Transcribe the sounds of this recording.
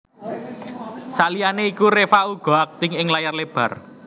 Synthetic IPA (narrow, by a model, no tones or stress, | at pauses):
salijaneikuɾefauɡ̥ɔ̤ak̚t̪ɪ̤ŋɪŋlajarleb̥ä̤r